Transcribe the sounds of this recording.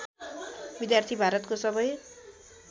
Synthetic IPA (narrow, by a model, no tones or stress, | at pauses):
bid̪jart̪ʰibʱaɾʌt̪kosʌbʌj